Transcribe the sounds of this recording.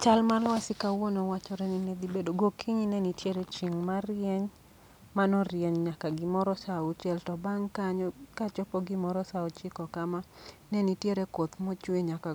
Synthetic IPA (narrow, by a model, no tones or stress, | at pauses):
t͡ʃalmalwasɪkawonowat͡ʃɔɾɛnined̪ibedoɡokʰiɲinɛnitjeɾet͡ʃiŋmaɾjɛɲ | manɔɾjɛɲɲakaɡɪmɔɾɔsaut͡ʃɛltɔbaŋkaɲɔkat͡ʃɔpɔɡɪmɔɾɔsaɔt͡ʃikɔkamanɛnitjeɾɛkot̪mot͡ʃweɲaka